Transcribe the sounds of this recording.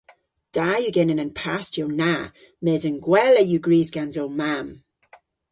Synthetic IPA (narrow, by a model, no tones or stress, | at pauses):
d̥ajuɡɪnənənpʰastjəwna | mɛːzənɡwɛləjuɡɹiːzɡanzowmam